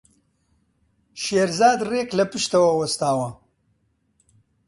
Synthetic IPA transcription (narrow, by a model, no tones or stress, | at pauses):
ʃeːɾzaːd̪reːklɐpɨʃt̪ɐwɐwɐst̪aːwɐ